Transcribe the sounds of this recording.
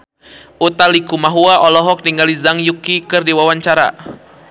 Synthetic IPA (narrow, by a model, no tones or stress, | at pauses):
ut̪alikumaɦuaʔɔlɔɦɔk̚diŋɡalizaŋjukikɨrdiwawaɲt͡ʃaɾa̰